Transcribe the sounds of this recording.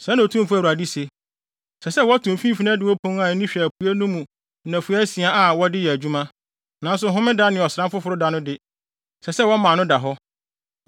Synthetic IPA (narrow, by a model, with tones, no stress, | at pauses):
sɛ̃˨˦ñ˨tʰũ˦m˦fʊ˦æ˨u˨a˨di˦se˨ | sɛ˨sɛ˦wɔ˦tʰʊ̃˨m˨fĩ˦fi˦nã˦dɪ˦wɔ˦pʰõ˦n˦a˨n˦nĩ˦ɕᶣi˨æ˨pʰu˨˦æ˦nũ˦mũ˨˦ | nã˨fu˨˦æ˦si˨a˦a˨wɔ˦dɪ˦jɛ˨æ˨d͡ʑᶣu˦mã˦ | nã˨˦n˦s̬ʊ˨ɦʊ̃˦mɪ̃˦da˦nɪ̃˨ɔ˨sɾã˦mfʊ˦fʊ˨ɾʊ˦da˦nʊ̃˦dɪ˦ | sɛ˨sɛ˦wɔ˦mã˨nʊ̃˦da˨ɦɔ˦